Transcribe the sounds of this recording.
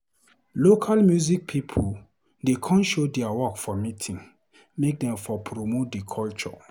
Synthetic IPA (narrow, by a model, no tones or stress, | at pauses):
lokʰalmjuzik̚pʰipʰul | dekʰɔ̃nʃodɛawɔkfɔmitʰĩŋ | mek̚dɛ̃mfɔpʰɹomot̚dekʰɔlt͡ʃɔ̰